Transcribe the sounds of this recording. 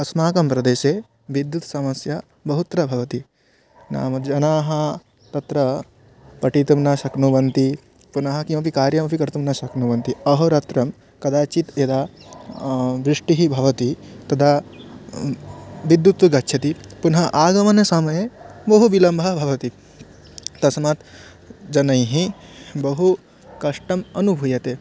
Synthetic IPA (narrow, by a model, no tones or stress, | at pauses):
ɐsmaːkɐmpɾɐd̪eːʃeː | ʋid̪jut̪sɐmɐsja | bɐɦut̪ɾɐbʱɐʋɐt̪i | na̰ːmɐd͡ʒɐnaːɦɐ | t̪ɐt̪ɾɐ | pɐʈit̪ɐmnaʃɐknuʋɐnt̪i | punɐɦɐ̆kĩw̃ɐpikaːɾjɐmɐpikɐɾt̪umnɐʃɐknuʋɐnt̪iɐɦoɾɐt̪ɾɐm | kɐd̪aːt͡ʃit̪jɐd̪aː | ʋɾiʂʈiɦibʱɐʋɐt̪it̪ɐd̪ʰa | ʋid̪ːjut̪ʋɐɡɐtːʃʰɐt̪ipunɦɐʔaːɡɐmɐnɐsɐmɐjebɐɦuʋilɐmbʱɐbʱɐʋɐt̪i | t̪ɐsmat̪ | d͡ʒɐnɐ̃jɦĩbɐɦu | kɐʂʈɐmɐnubʱujɐt̪e